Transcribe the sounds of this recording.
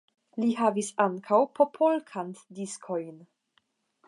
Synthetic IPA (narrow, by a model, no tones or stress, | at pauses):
liɦavisaŋkʰawpʰo̞pʰolkʰantdiskʰo̞jn